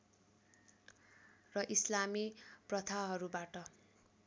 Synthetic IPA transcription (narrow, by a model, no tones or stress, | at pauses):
rʌʔislamiprʌt̪ʰaɦʌɾubaʈʌ